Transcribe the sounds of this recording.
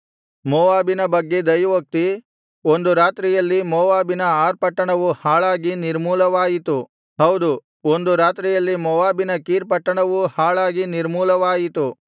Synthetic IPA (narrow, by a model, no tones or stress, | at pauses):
mɔːʋaːbinɐbɐɡːe̞d̪ɐjʋok̚t̪i | ond̪uɾaːt̪ɾijɐlːimɔːʋaːbinɐaːɾpɐʈːɐɳɐʋuhaːɭaːɡiniɾmuːlɐʋaːjit̪u | ɦɐwd̪u | o̞nd̪uɾaːt̪ɾijɐlːimɔʋaːbinɐkiːɾpɐʈːɐɳɐʋuhaːɭaːɡiniɾmuːlɐʋaːjit̪u